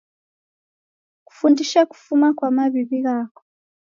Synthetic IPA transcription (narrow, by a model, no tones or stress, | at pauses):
ku̥fundiʃaku̥fumakwamaβiβiɣaːkɔ̥